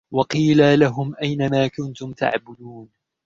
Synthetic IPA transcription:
wɑqiːlalaɦʊmʔajnamaːkʊnt̪ʊmt̪a̰ʕbʊd̪uːn

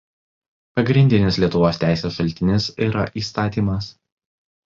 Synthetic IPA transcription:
pɐɡɾʲɪnʲd̪ʲɪnʲɪslʲiɛt̪ʊʋoːsʲt̪ʲæˑɪsʲeːsʃɐlʲt̪ʲɪnʲɪsiːɾɐʔiːst̪ɑːt̪ʲiːmɐs

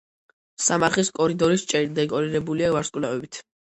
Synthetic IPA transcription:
samaɾχiskʼɔɾid̪ɔɾist͡ʃʼɛɾd̪ɛkʼɔɾiɾɛbuliavaɾskʼwlavɛbit̪ʰ

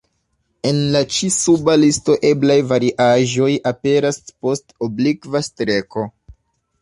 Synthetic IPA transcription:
e̞nlat͡ʃisubalisto̞ʔe̞blajvaɾiʔaʒo̞jape̞ɾaspo̞stoblikvastɾe̞ko̞

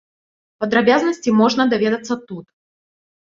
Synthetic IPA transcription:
pɐd̪ɾɐbʲazənəsʲtʲɪmoʐnəd̪ɐvʲed̪ət̪sət̪ut̪

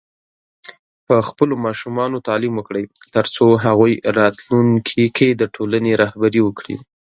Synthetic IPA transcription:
pəxpəlomɑʃumɑnot̪ɑlimwəkɽəjt̪əɾt͡soɦaɣujɾɑt̪luŋkʰikʰed̪əʈʰolaneɾɑhbaɾiwəkɽḭ

